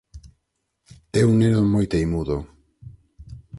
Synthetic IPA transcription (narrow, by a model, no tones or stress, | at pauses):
ɛuŋnenomojt̪ejmuðo